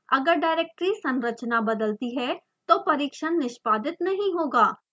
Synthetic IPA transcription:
əɡəɾɖaːɾeːk̚ʈɾisə̃nɾət͡ʃnabəd̪əlt̪iɦɛː | t̪oːpɐɾiːkʃənːɪʃpaːd̪ɪt̪nɐɦĩɦoːɡaː

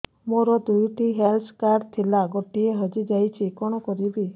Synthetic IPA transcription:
moɾɔd̪ujʈiɦelskaɾɖt̪ʰilaɡɔʈieɦɔd͡ʒid͡ʒajt͡ʃʰikɔɽ̃ɔkɔɾibi

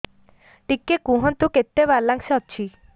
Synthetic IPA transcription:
ʈikːekũɦɔnt̪uket̪ːebaɾlaŋksɔtːt͡ʃʰi

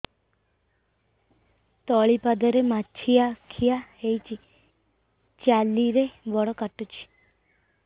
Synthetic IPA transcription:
t̪ɔɭipad̪əɾemat͡ʃʰijakʰijahejt͡ʃi | t͡ʃjaliɾeʋɔɽɔkaʈːut͡ʃʰi̥

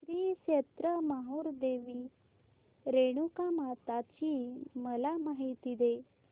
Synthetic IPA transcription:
ɾiːɕet̪ɾəmaɦoɾd̪eʋi | ɾeɽ̃ukamat̪at͡ɕiːməlamaɦit̪id̪e

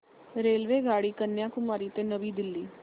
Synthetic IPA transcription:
ɾeːlʋeːɡaːɽiːkənːjãːkʊmaːɾiːt̪eːnəʋiːd̪ɪlːiː

